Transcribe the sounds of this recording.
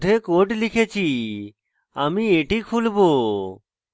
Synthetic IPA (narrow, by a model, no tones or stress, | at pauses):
d̪ʱekoʈlikʰet͡ɕʰi | amieʈikʰulbo